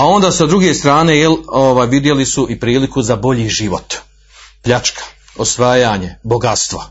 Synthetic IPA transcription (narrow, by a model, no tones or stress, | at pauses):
ao̞nd̪aːsad̪ɾuɡe̞st̪ɾaːne̞jeloʋaːjʋid̪je̞lisuipɾiːlikuzabo̞ʎiːʒiʋot̪ | pʎat͡ʃkʰḁ | osʋaːjaːɲebo̞ɡat̪st̪ʋa